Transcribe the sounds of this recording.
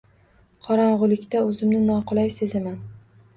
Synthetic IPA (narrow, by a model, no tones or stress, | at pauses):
qʰɒɾɑɴʁʊlˠɪkʲt̪aɵzɪmnɪnɒqʊlˠajsezɪman